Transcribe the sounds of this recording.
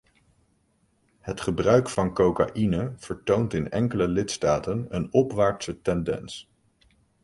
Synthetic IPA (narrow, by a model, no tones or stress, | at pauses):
hətχəbrœɥkfɑnkowka̰ʔinəv̥əɹtowntɪnɛ̰ŋkələlɪtstaːtənənɔpʋaːɹtsətɛndɛ̰ns